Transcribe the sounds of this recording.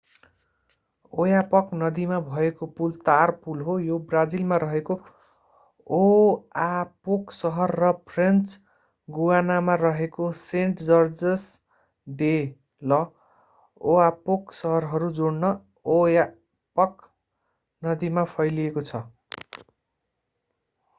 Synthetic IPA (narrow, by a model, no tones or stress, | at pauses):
ojapʌknʌd̪imabʱʌekopult̪arpulɦojobrad͡zilmaɾʌɦeko | oapoksʌɦʌrːʌpʰrent͡s | ɡuwanamarʌɦekoseɳʈd͡zʌrd͡zʌs | ɖe | lʌ | oapoksʌɦʌrɦʌɾud͡zoɽnʌ | oja | pʌk | nʌd̪imapʰʌjliekot͡sʰʌ